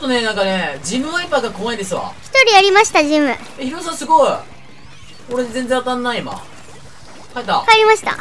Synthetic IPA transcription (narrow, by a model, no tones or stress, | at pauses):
ot̪ːone̞nãŋkaned͡ʑimɯ̟βaipaɡakomaind̪esɨβa̰çʲi̥t̪o̞ɾʲijaɾʲimaɕi̥t̪aʑimɯ̟ | eçiɾos̬ãsɨɡo̞i | oɾezend͡zzẽat̪ãnːaiima̰ | kait̪ːakaeɾʲimaɕi̥t̪a̰